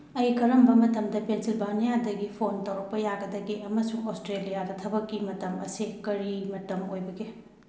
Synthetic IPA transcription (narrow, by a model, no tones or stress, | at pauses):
ɐjkɐɾɐmbɐmɐtɐmdɐpensilbanijadɐɡipʰontɐwɾɐk̚pɐjaɡɐdɐɡiɐmɐsuŋostɾelijadɐtʰɐbɐkːimɐtɐmɐ̰sikɐɾimɐtɐmojbɐɡe